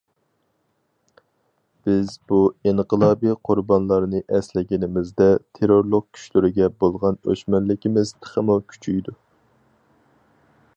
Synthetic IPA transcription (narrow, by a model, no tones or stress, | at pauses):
b̥ɪzbuiɴqəlˠɑːbijqʰʊɾbɑnlˠɑɾnɨʔɛslɪɡʲɪnɪmɪzd̪ɛt̪ʰeɾoɾlˠʊq̚kʲʰy̥ʃlyɾɪɡʲɛbolˠʁɑnø̰ʃmɛllːɪkʲimɪz̥t̪ʰə̥χʰəmukʲʰy̥t͡ʃʰyjd̪u